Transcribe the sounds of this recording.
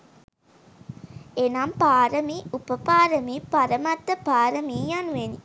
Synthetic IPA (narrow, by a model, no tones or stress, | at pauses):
enampaːɾəmiupəpaːɾəmipaɾɐmat̪ːɐpaːɾəmiːjanuʋeni